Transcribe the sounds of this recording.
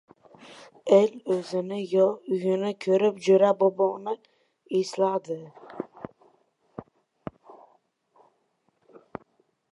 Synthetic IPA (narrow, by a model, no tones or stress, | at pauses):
elɵzɪnɪjɒʊjɪnɪkʲʰɵɾɪpd͡ʒɵɾaboboʁnɪ | eslad̪ɪ